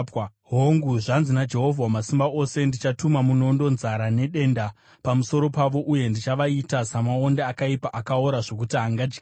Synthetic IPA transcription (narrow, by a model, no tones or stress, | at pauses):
ɦoŋɡuʐanzinad͡ʒe̞ɦo̞vʱawamasimbao̞se̞ndit͡ʃatumamuno̞ndo̞nzaɾane̞ɗe̞nda | pamuso̞ɾo̞paʋo̞ʔuje̞ndit͡ʃaʋaitasamao̞ndaːkaipaʔakaoɾaʐo̞kutiɦaŋɡad͡ʒ